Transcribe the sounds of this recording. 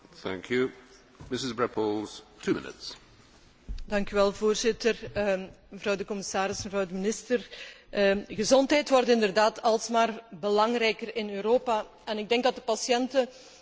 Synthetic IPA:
θæ̰̃ŋkʰjʉ | mɪsɪzbɹɛpʰəlˠz̥tʰʉmɪ̰nɪ̰ts | dɑŋkyʋɛlˠvoːrzɪtər | məvrɑwdəkɔmɪsaːɾɪsməvrɑwdəmɪnɪstər | ɣəzɔntɦɛjtʋɔrtɪndərdaːtɑlˠsmaːrbəlɑŋrɛjkərɪnøːɾoːpa | ɛnɪɡ̚dɛŋɡ̚dɑt̚dəpɑsjɛntə

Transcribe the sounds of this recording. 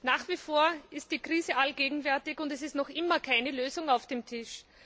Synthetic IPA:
naːχv̥ifoːɐɪst̚d̥iːkʁ̥iːzəʔalɡ̥eːɡŋ̩vɛɐtɪçʊntɛsɪstnɔχʔɪmɐkʰaɪnəløːzʊŋaʊfd̥eːmtʰɪʃ

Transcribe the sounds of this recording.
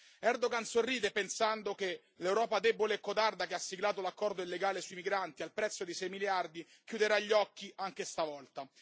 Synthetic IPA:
ɛrd̪oɡansorːiːd̪epensand̪oke | lewɾɔːpad̪eboleːkːot̪ard̪akeasːiɡlaːt̪olakːɔrd̪oilːeɡaːlesuimiɡɾant̪ialpɾɛt̪sːod̪isɛjmiljard̪i | k̟jud̪eɾaʎːɔkːiaŋk̟est̪avɔlt̪a

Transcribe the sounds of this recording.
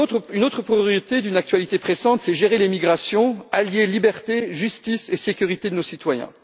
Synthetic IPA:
ynot̪χəpχijɔʁit̪ed̪ynak̚t̪ɥalit̪epχesɑ̃t̪sɛʒeʁelemiɡʁasjɔ̃aljelibɛʁt̪eʒyst̪isesekʲyʁit̪ed̪ənosit̪wajɛ̰̃

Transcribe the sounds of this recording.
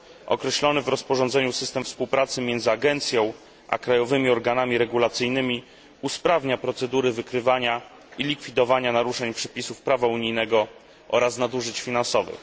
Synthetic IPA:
ɔ̰kɾɛɕlɔnɘvɾɔspɔʐɔnd̪zɛɲusɘst̪ɛmfspuwpɾat̪sɘmʲjɛnd̪zɘaɡɛnt̪sʲjɔ̃w̃ | ʔa̰kɾajɔvɘmʲiɔɾɡanamʲiɾɛɡulat̪sɘjnɘmʲi | uspɾavɲapɾɔt̪sɛd̪uɾɘvɘkɾɘvaɲa | ilʲikfʲid̪ɔvaɲanaɾuʂɛɲpʂɛpʲisufpɾavauɲijnɛɡɔ | ʔɔ̰ɾasnad̪uʐɘt͡ɕfʲinansɔvɘ̰x

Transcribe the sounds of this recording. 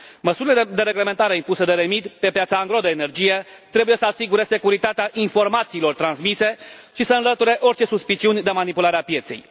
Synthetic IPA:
məsuɾiled̪e̞ɾe̞ɡle̞me̞nt̪aɾe̞impuse̞d̪e̞ɾe̞mid̪pe̞pjat̪saːŋɡɾo̞d̪eːne̞rd͡ʒije̞t̪ɾe̞buje̞səasiɡuɾe̞se̞kuɾit̪at̪eaʔinfo̞rmat̪siːlo̞rt̪ɾansmise̞ʃisəɨnlət̪uɾe̞ʔo̞rt͡ʃe̞suspit͡ʃiunʲd̪e̞manipulaɾeapje̞t̪se̞̰j

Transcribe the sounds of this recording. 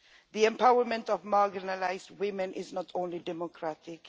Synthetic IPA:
ðiɛ̃mpʰawəmɛ̃ntɔvmaɡɪnalaɪzd̚wɪ̃mɛ̃nʔɪznɔtʰõʊ̃nlidɛmɔkʰɹatɪk

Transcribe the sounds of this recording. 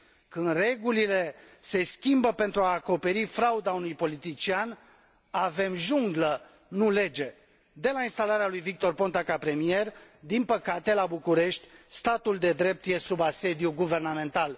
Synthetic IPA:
kɨnd̪re̞ɡulile̞se̞skʲimbəpe̞nt̪ɾuaːko̞pe̞ɾifɾaud̪aunujpo̞lit̪it͡ʃian | ave̞mʒuŋɡlə | nule̞d͡ʒe̞ | d̪e̞lainst̪alaɾealujvik̚t̪o̞rpo̞nt̪akapɾe̞mie̞rd̪inpəkat̪e̞labukuɾe̞ʃt̪ʲst̪at̪uld̪e̞d̪ɾe̞p̚t̪je̞subase̞d̪juɡuve̞rname̞nt̪al

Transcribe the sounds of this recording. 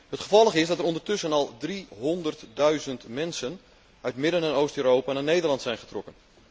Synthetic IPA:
hətχəvɔlˠəχɪsdɑtəɾɔndərtʏsənɑlˠdriɦɔndərtdœɥzəntmɛnsən | œɥtmɪdənɛnowstøːɾowpanaːnejdərlɑntsɛjnχə̥trɔkən

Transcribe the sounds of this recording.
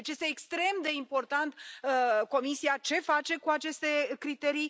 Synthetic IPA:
et͡ʃje̞st̪eːkst̪ɾe̞md̪e̞impo̞rt̪ant̪ko̞misiat͡ʃe̞fat͡ʃe̞kuat͡ʃe̞st̪e̞kɾit̪e̞ɾi

